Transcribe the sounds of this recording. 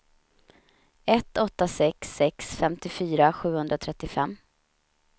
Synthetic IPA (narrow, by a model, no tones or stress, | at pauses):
ɛt̪ɔt̪ːasɛksːɛksfɛmt̪ɪfyːɾaɧʉ̟ːhɵnd̪ɾat̪ʰɾɛt̪ːɪfɛmː